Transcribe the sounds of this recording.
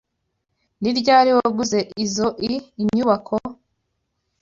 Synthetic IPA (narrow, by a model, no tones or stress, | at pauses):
niɾɟaːɾiwoɡuze̞ʔizoʔiːɲuβakʰo